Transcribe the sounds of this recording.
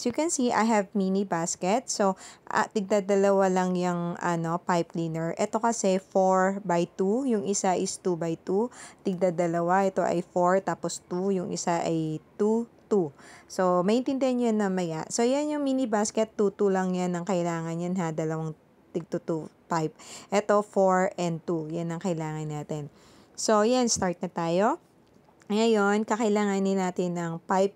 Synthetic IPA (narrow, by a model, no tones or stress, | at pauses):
jʊkɛnsiʔa̰jɦɛvminibaskɛt̪̚soʔt̪ɪɡ̚d̪ad̪ɐlɐwalɐŋjɐŋʔɐno̞pajpliːnɛɹʔɛt̪o̞kɐsɛfoɹbajt̪ujʊŋʔɪsaʔɪst̪ubɐjt̪ut̪ɪɡ̚d̪ad̪ɐlɐwaʔɛt̪o̞ʔɐ̰jfoɹt̪aːpost̪ujʊŋʔɪ̰saʔɐjt̪ut̪uso̞mɐʔɪnt̪ɪnd̪ɛhɐnjanːɐmɐja̰ʔso̞janjʊŋmiːnibaːskɛt̪ːut̪ulɐŋjanːɐŋkɐʔɪlaːŋɐnjanɦad̪ɐlɐwaŋ | t̪ɪɡ̚t̪ut̪upajp̚ʔɛt̪o̞foɹɛnd̪̚t̪ujanːɐŋkɐɪlaːŋɐnːaːt̪ɛn | so̞janst̪aɹt̪̚nɐt̪aːjo̞ | ŋɐjo̞nkɐkɐɪlaːŋanɪnaːt̪ɪnːɐŋpajp̚